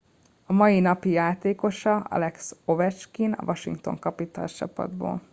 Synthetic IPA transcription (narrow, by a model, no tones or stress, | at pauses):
ɒmɒjinɒpijaːt̪eːko̞ʃɒɒ̰lɛkso̞vɛt͡ʃkinɒ̰vɒʃḭŋk̚t̪o̞̰ŋkɒpit̪ɒlt͡ʃɒpɒ̰d̪bo̰ːl